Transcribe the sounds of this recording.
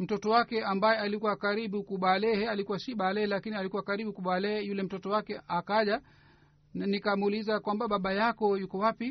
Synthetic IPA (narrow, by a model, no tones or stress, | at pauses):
m̩tɔtɔwakɛʔambajɛalikuwakaɾiɓukuɓalɛhɛalikuwasiɓalɛɛlakinialikuwakaɾiɓukuɓalɛhɛjulɛm̩tɔtɔwakɛakaʄa | nikamuːlizakwambaɓaɓajakɔjukɔwapi